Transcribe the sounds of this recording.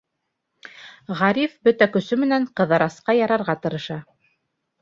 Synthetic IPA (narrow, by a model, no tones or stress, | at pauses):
ʁɑɾifbɵt̪ækɵ̆sɵmɘ̆næɴqɤ̆ðɑɾɑsqɑjɑɾɑɾʁɑt̪ɤ̆ɾɤ̆ʃɑ